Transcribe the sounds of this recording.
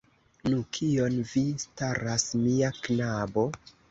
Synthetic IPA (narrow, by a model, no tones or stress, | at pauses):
nukʰio̞nvistaɾasmiaknabo̞